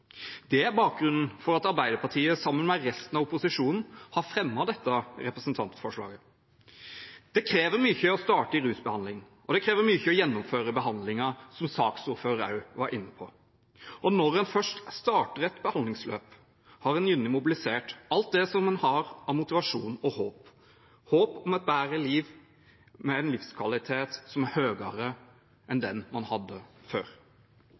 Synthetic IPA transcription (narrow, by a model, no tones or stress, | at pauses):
d̪̥ɛæɾbɑːk̚ɡɾʉnn̩fɔɾɑt̪ɑɾbæɪd̪əɾpʰɑʈʰiːəsɑmːənmɛɾɛst̪n̩ɑʋʊpʊsɪʂuːnn̩hɑɾfɾɛmːɑd̪ɛt̪ːəɾɛpɾəsənt̪ʰɑ̰nt̪fɔʂɭɑ̰ːɡə | d̪̥ɛkʰɾeːʋəɾmyçəɔst̪ɑːʈəɪɾʉːsbəhɑnlɪŋ | ʔɔd̪ɛkʰɾeːʋəɾmyːçəɔjɛnːʊmføːɾəbəɦɑnd̪lɪŋɑsɔmsɑːksuːɾføːɑ̰ʉʋɑɾʔɪnːəpʰɔ̰ | ʔɔnɔɾɛnfœʂʈst̪ɑːʈəɾɛt̪bəhɑnd̪lɪŋsløːp | hɑɾɛnjʉnːɪmʊbɪlɪseːʈɑlt̪̚d̪ɛsɔmːɛnhɑɾɑmʊt̪ɪʋɑʂuːnɔhoːp | hoːpɔmɑt̪̚bæːɾəliːʋ | mɛæɪnlɪfskʰʋɑlɪt̪ʰeːt̪sɔmæɾhøːɡɑɾə | ʔɛnd̪ɛnmɑnhɑd̪ːəfø̰ːɾ